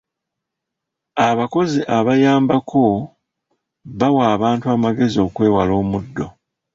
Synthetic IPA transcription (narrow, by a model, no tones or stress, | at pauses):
aβako̞ziʔaβajaːmbakʰo̞ | βawaːβaːntuaːmaɡe̞zio̞ːkwe̞ːwalo̞ːmudːo̞